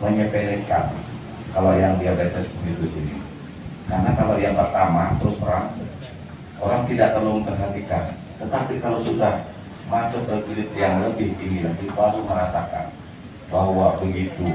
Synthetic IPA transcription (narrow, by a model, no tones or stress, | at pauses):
məɲəpelikan | kalojaŋdiabet̪əsbəɡit̪usini | karnakalajaŋpərt̪amat̪əɾʊspəɾaŋ | ʔoɾaŋt̪idaʔ̚t̪əlʊməmpərɦat̪ikan | t̪ət̪apikalosudah | masʊkəfilɪp̪jaŋləbɪhinilak̪ip̪aɡuməɾasaka̰n | baɦwabəɡit̪u